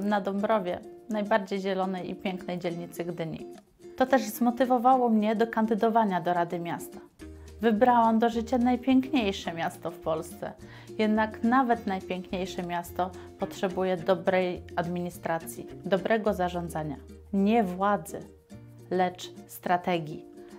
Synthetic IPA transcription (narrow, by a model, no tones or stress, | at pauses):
nad̪ɔmbɾɔvʲjɛnajbaɾd͡ʑejʑɛlɔnɛjḭpʲjɛŋknɛjd͡ʑɛlɲit̪sɘɡd̪ɘɲḭ | t̪ɔt̪ɛʐzmɔt̪ɘvɔvawɔmɲɛd̪ɔkand̪ɘd̪ɔvaɲad̪ɔɾad̪ɘmʲjast̪ḁ | vɘbɾawamd̪ɔʐɘt͡ɕanajpʲjɛŋkɲejʂɛmʲast̪ɔfpɔlst̪sɛ̰ | jɛd̪naknavɛt̪najpʲjɛŋkɲejʂɛmʲjast̪ɔpɔtʂɛbujɛd̪ɔbɾɛjad̪mʲiɲist̪ɾat̪sʲjḭd̪ɔbɾʔɛɡɔzaʐɔnd̪zaɲa | ɲɛvwad̪zɘ̰ | lɛt͡ʂst̪ɾat̪ɛɡʲji